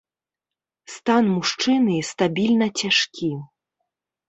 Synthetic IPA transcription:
st̪anmuʂt͡ʂɨnɨst̪abʲilʲnɐt͡sʲaʂkʲʰi

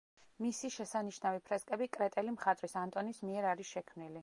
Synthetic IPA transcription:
misiʃɛsaniʃnavipʰɾɛskʼɛbikʼɾɛt̪ʼɛlimχat̪ʼɾisant̪ʼɔnismiɛɾaɾisʃɛkʰmnili

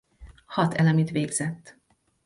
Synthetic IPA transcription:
hɒt̪ɛlɛmit̪ʋeːɡz̥ɛt̪ː

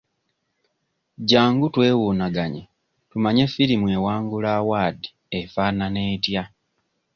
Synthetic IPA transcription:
ɟaːŋɡutwe̞ːwuːnaɡaɲḛ | tumaɲe̞fːiɾimwe̞waːŋɡulaːwaːdi̥ | efaːnane̞ːtja

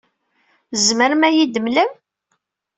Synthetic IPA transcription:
zməɾmæjid̪əmləm

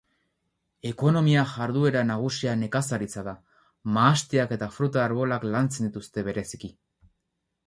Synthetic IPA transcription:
e̞ko̞no̞miaʝaɾðue̞ɾanaɣ̞usiane̞kasaɾit͡saða | maːst̪iake̞t̪afɾut̪aːɾβo̞laklant͡send̪it̪ust̪e̞βe̞ɾe̞si̥ki

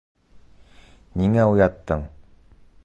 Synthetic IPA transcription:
niŋaujat̪ːəŋ

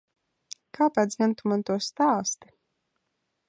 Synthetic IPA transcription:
kaːpad̪zʲmʲɛnt̪umant̪uɔst̪aːst̪i̥

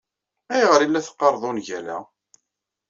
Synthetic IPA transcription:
æjʁəɾilːæθə̥qːɑɾˤðˤonʝælæ̰

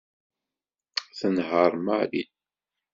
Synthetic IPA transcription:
θənɦəɾˤmalḭ

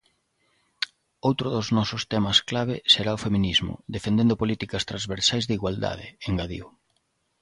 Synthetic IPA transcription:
owt̪ɾʊðoznɔsʊst̪ɛmɐsklaβɪseɾaʊfemĩnizmʊ̰d̪efend̪ẽnd̪ʊpolit̪ikɐst̪ɾazβeɾsajzðiɣwald̪a̰ðɪ̰eŋɡaðḭʊ

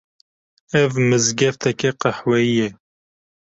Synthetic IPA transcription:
ɛvmɨzɡɛft̪ʰɛkɛqɑħwɛjijɛ

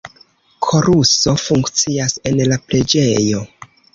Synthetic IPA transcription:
kʰo̞ɾuso̞fuŋkt͡siase̞nlapɾe̞d͡ʒe̞jo̞

